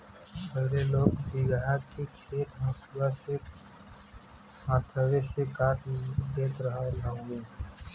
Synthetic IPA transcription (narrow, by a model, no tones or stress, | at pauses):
əɦɾeloːɡbɪɡɦakikʰeːt̪ɦãːsbase | hãːt̪ʰəʋesekaːʈd̪eːt̪ɾəɦalaõɡeː